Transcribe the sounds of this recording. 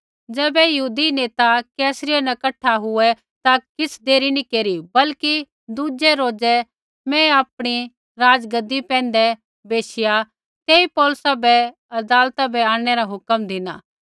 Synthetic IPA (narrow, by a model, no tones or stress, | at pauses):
d͡ʒɛːbɛjɐɦuːd̪ineːt̪akɛːsɾɪjenɐkɐʈʰːaɦʊɛ | t̪akɪsd̪eːɾinĩkeːɾibɐlki | d̪uːd͡ʒɛɾoːd͡ʒɛ | mɛ̃aːpɽ̃i | ɾaːd͡ʒɡəd̪ːipɛ̃ːn̆d̪ɛ | beːsɪja | t̪eːipɔːlʊsabɛ | ɐd̪aːlt̪abɛaːɽ̃ɛɾaɦʊkəmd̪ʱɪna̰ː